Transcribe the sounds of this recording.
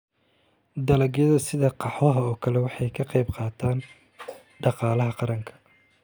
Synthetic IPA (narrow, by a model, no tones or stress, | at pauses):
d̪ɐlɐɡjɐðɐsɪðɐqɑħwɐɦɐɔːkʰɐlɛwɑħɑjkʰɐqɑjbqɑːt̪ʰaːn | ɖɑqɑːlɐɦɐqɑɾɐŋkʰɐ̥